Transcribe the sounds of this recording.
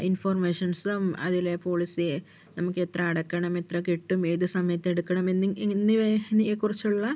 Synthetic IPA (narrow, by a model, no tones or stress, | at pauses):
informeːʂɐnsɨmɐ̰ðilepo̞ːɭisi | nɐmukːe̞t̪rɐːɽɐkːɐɳɐme̞t̪rɐkiʈːume̞ːðɨsɐmɐjɐt̪ːe̞ɽukːɐɳɐmenːnːɨʋeɐnɐjekːurit͡ɕːuɭːɐ